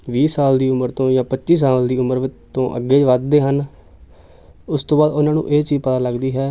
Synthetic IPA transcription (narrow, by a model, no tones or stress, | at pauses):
ʋiːsaːld̪iːʊməɾt̪õːjãːpətːʃiːs̬aːld̪iːʊməɾʋɪt͡ʃt̪õːʔə̰ɡːeːd͡ʒʋəd̪̚d̪eːɦən | ʊst̪õːbaːd̪ʊnãːnṵ̃ːʔeːt͡ʃiːzpət̪ãːləɡd̪iːɦɛː